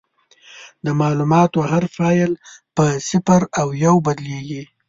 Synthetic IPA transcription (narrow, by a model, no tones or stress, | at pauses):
d̪əmɑlumɑt̪oɦaɾfɑjlpəsɪfaɾawjawbad̪leɡi